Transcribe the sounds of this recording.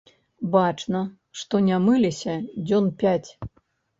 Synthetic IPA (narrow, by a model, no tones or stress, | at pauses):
bat͡ʂnɐ | ʂt̪ɔnʲamɨlʲisʲɐd͡zʲɔnpʲat͡sʲ